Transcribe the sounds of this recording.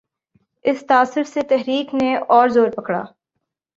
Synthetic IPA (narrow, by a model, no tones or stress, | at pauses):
ɪst̪aːsɪɾset̪ɛɦɾiːkneɔːɾzoːɾpɐkɽa̰ː